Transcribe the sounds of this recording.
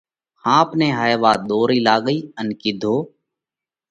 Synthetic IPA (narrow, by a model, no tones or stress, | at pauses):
hãːpnẽːɦaːeʋaːd̪oːɾiːlaːɡəiːənkid̪ʱoː